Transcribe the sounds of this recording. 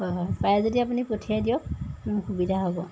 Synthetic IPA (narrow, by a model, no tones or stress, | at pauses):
hɔjɦɔjpajɛzodiap̬unipotʰiadijɔk̚mɔnxubidʱaɦɔbɔ